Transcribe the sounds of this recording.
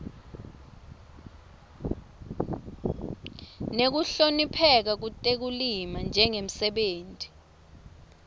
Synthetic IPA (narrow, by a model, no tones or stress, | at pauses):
nek̬uɬonipʰɛk̬ak̬utʼek̬ulimand͡ʒʱɛŋem̩sɛɓeːntʼi̥